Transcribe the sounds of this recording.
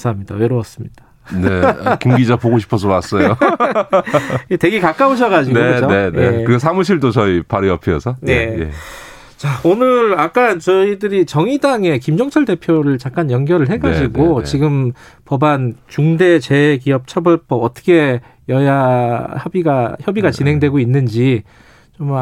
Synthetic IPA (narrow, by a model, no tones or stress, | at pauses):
sʰaɦamɲida̰weɾoʌs͈ɯmɲid̥a | nekimɡid͡ʑapoɡoɕʰi̥pʰʌs̬ʰʌas͈ʌjo | ete̞ɡekak͈aoɕ̬ʰʌɣad͡ʑiɡneokɯd͡ʑoenekɯɡesʰamuɕʰiɭdot͡ɕʌipaɾiʌpʰiʌsʰʌnejḛ | t͡ɕaonɯɾak͈ant͡ɕʌidɯɾit͡ɕʌŋidaŋe̞kimd͡ʑʌŋt͡ɕʰʌɭde̞pʰjoɾɯɭt͡ɕak̚k͈anjʌŋɡjʌɾɯɭɦe̞ɡad͡ʑiɡot͡ɕiɡɯmpʌbant͡ɕuŋde̞t͡ɕe̞kiʌp̚t͡ɕʰʌbʌɭpʰʌʌt͈ʰʌ̥kʰe̞ | jʌjaçʌbiɡaçjʌbiɡat͡ɕinɦe̞ŋdwe̞ɡoinːɯnd͡ʑi | t͡ɕom